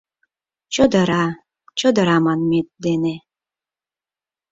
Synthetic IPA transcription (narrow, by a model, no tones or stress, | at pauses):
t͡ɕod̪ə̆ɾɑ | t͡ɕəd̪ə̆ɾɑmɑnmet̪̚d̪ene